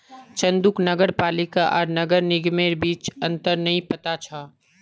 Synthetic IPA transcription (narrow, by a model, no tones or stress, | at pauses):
t͡ʃɐ̃nd̪ʊknɐɡəɾpaːlɪkaʔɔːɾnɐɡəɾnɪɡmeːɾbiːt͡ʃɐ̃nt̪əɾnɐɦĩpɐt̪at͡ʃʰaː